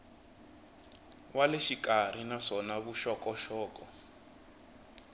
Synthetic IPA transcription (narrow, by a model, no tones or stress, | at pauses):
waleʃikʼar̤inaʂɔnaβuʃɔkɔʃɔːkɔ